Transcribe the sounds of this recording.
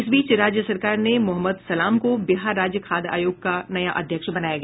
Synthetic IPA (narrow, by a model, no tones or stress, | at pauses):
ɪsbiːt͡ʃɾaːd͡ʒjəsɐɾkaːɾnemʊɦəmːəd̪sɐlaːmkobɪɦaːɾːaːd͡ʒjəkʰaːd̪a̰ːjoːɡ̚kanɐjaʔɐd̪ʱjəkʃbɐnaːjaɡɛː